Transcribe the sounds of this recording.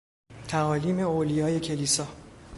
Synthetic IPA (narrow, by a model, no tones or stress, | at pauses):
t̪ʰæɒːliːme̞olijɒːje̞cʰe̞lisɒː